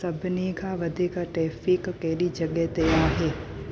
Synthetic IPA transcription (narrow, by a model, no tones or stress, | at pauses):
sɐbneːɡʰaʋɐd̪ʱekaʈɾɛːfɪkːɛːɾid͡ʒɐɡɛt̪ejaːɦɛː